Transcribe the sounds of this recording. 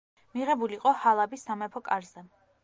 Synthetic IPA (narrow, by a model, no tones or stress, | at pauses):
miʁɛbuliːqʼɔhalˠabisːamɛpʰɔkʼaɾzɛ